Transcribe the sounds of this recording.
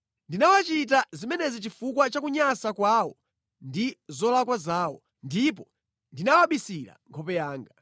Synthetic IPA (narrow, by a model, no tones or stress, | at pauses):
ndinawat͡ʃit̬azimɛnɛzit͡ʃifukwat͡ʃakuɲasakwawɔ | ndizɔlakwazaːwɔ̰ | ndip̬ɔ | ndinawaɓisiɾa̰ŋkʰɔpɛjaːŋɡa